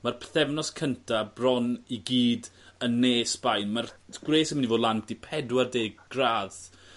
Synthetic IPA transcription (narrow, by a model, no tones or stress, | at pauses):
marpʰθɛvnɔskʰəntʰabrɔniɡiːdənːeːsb̥ajnmarɡ̥reːsəmnivoːdlˠanp̚d̥ipʰɛdwardeːɡ̥raːð̥